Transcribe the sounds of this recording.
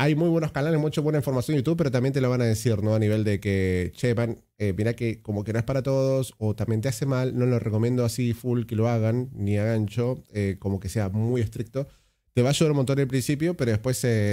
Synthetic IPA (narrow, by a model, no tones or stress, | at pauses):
ajmujβwe̞nokanalemut͡ʃoβwe̞naĩɱfo̞ɾmasjo̞njut̪uβpe̞ɾo̞t̪ambjent̪eloβanað̞esiɾno̞aniβ̞e̞ld̪e̞ket͡ʃeβan | emiɾakeko̞mokeno̞e̞spaɾat̪o̞ðoso̞t̪ambjent̪̬easemalnolo̞rʔe̞komjẽ̞nd̪oasifulke̞lo̞aɣanːiaɣant͡ʃo̞ekomo̞ke̞se̞amuje̞st̪ɾik̚t̪o̞ | t̪e̞βaːʃuðaɾumont̪o̞nelpɾinsipjo̞peɾo̞ðepwe̞se